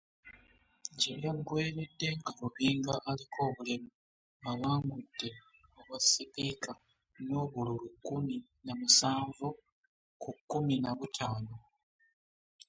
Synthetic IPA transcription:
ɟeɾjamuɡwe̞ːɾe̞dːe̞ŋɡaɾuβiːŋɡaʔːlikʰo̞ːβulimu | aβaːŋɡud̥ːe̞ | oβasepika | noːβululukːumi | namusaːɱvu | kukːuminaβutʰaːno

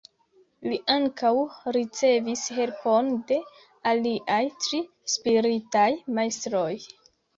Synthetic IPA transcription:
liʔaŋkawɾit͡se̞vishe̞lpo̞nde̞ | aliʔajtɾi | spiɾitajmajstɾo̞j

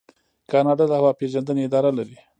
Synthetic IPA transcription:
kɑnɑɖɑlahawɑpeʒand̪əneɪd̪ɑɾalaɾi

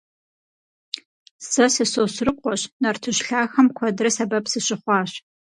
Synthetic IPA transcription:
sɐsɐsoːsrɨqʷɔɕnɐrtʰɨɕɬaːxɐmkʷʰɔdrɐsɐbɐpsɨɕɪχʷɑːɕ

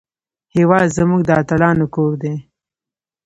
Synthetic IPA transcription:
hewɑːd̪zəmuɡ̚d̪ɑːt̪alɑːnokoːɾd̪e

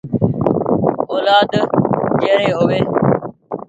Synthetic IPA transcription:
oːlaːd̪d͡ʒeːɾeːɦʊʋeː

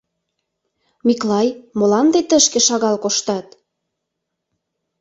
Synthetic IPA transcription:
miklɑjmolɑnd̪et̪əʃkĕʃɑɣɑlkoʃt̪ɑt̪

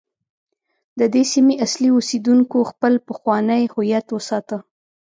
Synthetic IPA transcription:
d̪əd̪esimiʔasliosed̪uŋkoxpəlpəxwɑnəjhʊjat̪wəsɑt̪ə

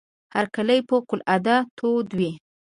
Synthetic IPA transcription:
haɾkaləjpəqʊlad̪at̪ʰod̪wi

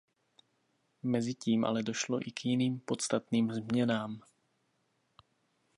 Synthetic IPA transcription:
mɛziciːmʔa̰lɛdoʃlɔ̰ʔikjiniːmpot̪t͡sst̪at̪niːmzmɲɛnaːm

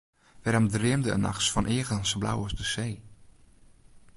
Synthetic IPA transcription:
ʋɛɾɔmdrɪəmdəə̰na̰xsfɔnʔɪəɣənsbla̰wəsdəseː

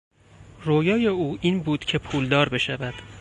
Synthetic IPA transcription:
roːjɒːje̞uːʔiːnbuːd̪̥cʰe̞pʰuːld̪ɒːɾbe̞ʃævæd̪̥

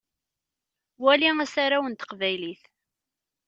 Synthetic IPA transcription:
wæliŋæsaɾawənt̪ə̥qvæjliθ

